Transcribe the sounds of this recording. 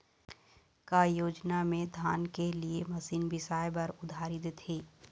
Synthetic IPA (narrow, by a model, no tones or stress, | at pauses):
kaːjoːd͡ʒnamẽd̪ʱaːnkeliemɐsiːnbʱisaːjbɐɾʊd̪ʱaːɾid̪et̪ʰiː